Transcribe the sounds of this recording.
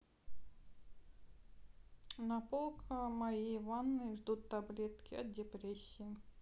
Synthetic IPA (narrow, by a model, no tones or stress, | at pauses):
nɐpolˠkʰəmɐjivanːɨjʐd̪ut̪ːɐblʲet̪kʲɪɐt̪̚dʲɪpɾʲesʲːɪi